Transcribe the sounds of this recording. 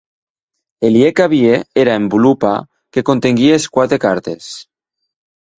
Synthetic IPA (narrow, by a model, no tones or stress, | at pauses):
eljekaβjeeɾaembulupa̰ | ke̞ko̞nt̪eŋɡieeskwat̪ekaɾt̪ḛs